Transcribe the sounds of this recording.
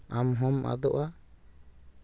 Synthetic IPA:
amɦɔmʔa̰d̪ɔʔa

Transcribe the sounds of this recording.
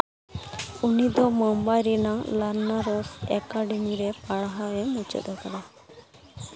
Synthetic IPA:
unid̪ɔmɔmbajɾinalaɾnaɾɔsɛkaɖɛmiɾɛpaɽaɦaɛmut͡ʃɛ̰t̪ɔkad̪a

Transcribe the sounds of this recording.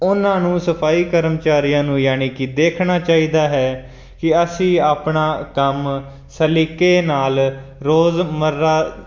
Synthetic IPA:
ʊnãːnũːsəpʰaːiːkəɾəmt͡ʃaːɾijãːnũːjaːniːkɪd̪eːkʰnaːt͡ʃaːiːd̪aːɦɛː | kɪəsĩːaːpɳaːkəm | səlikeːnaːlɾoːzməɾaː

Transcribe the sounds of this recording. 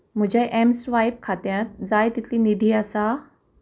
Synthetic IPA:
m̤ud͡ʑaʔemsʋajp̚kʰat̪jat̪d͡zajt̪it̪ʰlinid̪ʱiːasa

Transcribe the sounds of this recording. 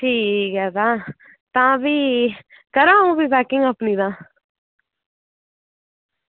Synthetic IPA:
ʈʰiːkɦɛːt̪ãː | t̪ãːbiː | kəɾãːũːbiːbɛːkɪŋɡəpniːd̪ãː

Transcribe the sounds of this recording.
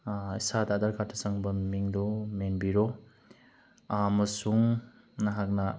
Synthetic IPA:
isadad̪aɾkʰatʰɐsaŋbɐmmiŋdɔmenbiɾɔ | mɐsuŋ | naɦak̚na

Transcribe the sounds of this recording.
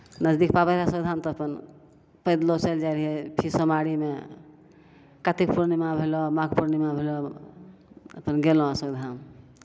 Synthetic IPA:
nəd͡ʒd̪ik̚pabəɾasəɡd̪ʱamt̪ɔəpən | pəjd̪lɔt͡ʃəld͡ʒaɾiɦepʰisəmaɽime | kat̪ikpuɾnimabʱelɔmaɡpuɾnimabʱelɔ | ə̰pənɡelõasəɡd̪ʱam

